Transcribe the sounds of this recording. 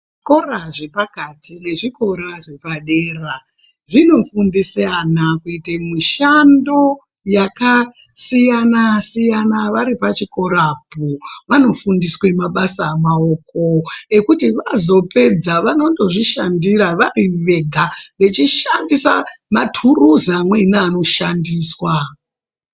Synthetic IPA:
ʐikoraʐe̞pakatine̞ʐiko̞ɾaʐe̞paɗeːra | ʐino̞fundisanakuitemiʃando̞ | jaka | sijanasijanaʋaɾipat͡ʃiko̞ɾapuʋano̞fundiswemaɓasaːmaoːkoe̞kutiʋazo̞pʰe̞d͡zaʋano̞ndo̞ʐiʃandiɾaʋariʋe̞ɡʱaʋe̞t͡ʃiʃandisa̰matʰuruzamwenaːno̞ʃandiːswa

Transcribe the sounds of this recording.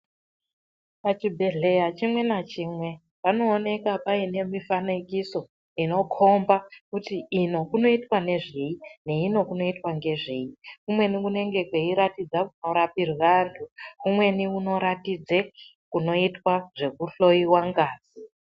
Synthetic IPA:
pat͡ʃibʱe̞ɮe̞jat͡ʃimwe̞nat͡ʃiːmwe̞ | pano̞ːne̞kapaine̞mifanekiso̞ | ino̞kʰo̞mbakutiino̞kuno̞itwane̞ʐeine̞ino̞kuno̞itwaŋɡe̞ʐejikumwe̞nikune̞ŋɡe̞kweiɾatid͡zakuno̞ɾapirʋantʰukumwe̞niuno̞ɾatid͡ze | kuno̞itwaʐe̞kuɬo̞jiwaŋɡaːz̥i

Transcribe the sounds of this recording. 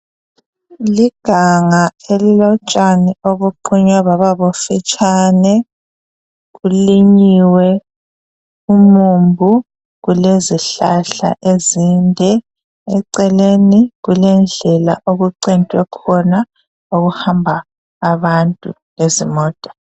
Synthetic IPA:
liɡ̥ʱaŋaelilɔt͡ʃʼanioβuǃʰuɲwaβaβaβofɛt͡ʃʼanɛ | ɣuliɲiwɛ | umumbʱu | ɣuleziɬaɬa̰ʔezindʱɛ | ɛǀɛleniɣulɛnd͡ɮʱɛla̰ʔoɣuǀintʼwɛkʰɔna | oɣuhambʱaː | βantʼṵ | ŋezimɔːtʼḁ

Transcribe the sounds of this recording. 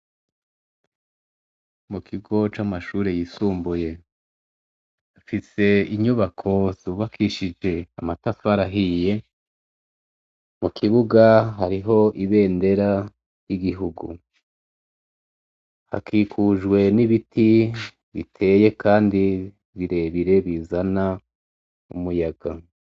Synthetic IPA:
mukʰiɡo̞t͡ʃamaʃuːɾe̞jisuːmbuje̞ | afise̞iɲuβakʰo̞zuβakʰiʃid͡ʒe̞a̰matafaɾaɦije̞ | mukʰiβuɡaɦaɾiɦo̞ʔiβe̞ːnde̞ɾa | jiɡiɦuɡṵ | ha̰kʰiːkʰuʒɡwe̞niβitʰi | βitʰe̞ːje̞kʰaːndi | βiɾe̞βiɾe̞βizana | ṵmujaɡ̥a

